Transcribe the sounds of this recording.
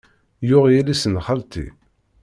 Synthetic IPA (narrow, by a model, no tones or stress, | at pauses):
jʊʁjilisənχalt̪ḭ